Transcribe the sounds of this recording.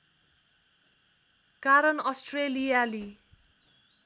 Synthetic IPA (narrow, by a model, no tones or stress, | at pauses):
kaɾʌnʌsʈrelijali